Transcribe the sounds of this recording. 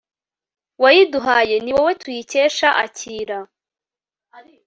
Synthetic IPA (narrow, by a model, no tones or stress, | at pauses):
wajiduɦaːje̞niwawetujice̞ːʃaʔa̰cʰiːɾa